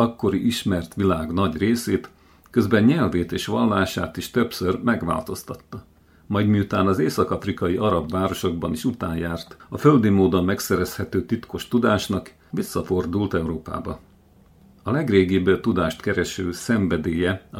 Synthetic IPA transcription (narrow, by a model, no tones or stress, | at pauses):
ɒkːo̞ɾiʔiʃmɛrt̪ʋilaːɡnɒɟreːseːt̪ | køzbɛɲɲɛlveːt̪eːʃʋɒlːaːʃaːt̪iʃt̪ø̞psørmɛɡʋa̰ːlt̪o̞st̪ɒt̪ːɒ | mɒjd̪miut̪aːnɒzeːsɒkɒfrikɒjiʔɒɾɒbvaːɾo̞ʃo̞ɡ̚bɒniʃut̪aːɲjaːrt̪ɒfø̞ld̪imoːd̪ommɛksɛɾɛshɛt̪øːt̪it̪ko̞ʃt̪ud̪aːʃnɒk | ʋisːɒfo̞rd̪ult̪ɛwɾoːpa̰ːbɒ | ɒlɛɡreːɡibt̪ud̪aːʃt̪kɛɾɛʃøːsɛɱvɛd̪eːjɛ